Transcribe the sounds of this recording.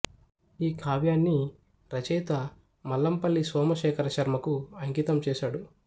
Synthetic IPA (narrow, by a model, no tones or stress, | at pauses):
iːkʰaːʋjaːnːi | ɾɐt͡ʃɛjt̪ɐ | mɐlːɐmpɐlːisʋɔːmɐʃɛːkʰɐɾɐʃɐɾmɐkuɐŋkiːt̪ɐmt͡ʃɛːʃaːɽu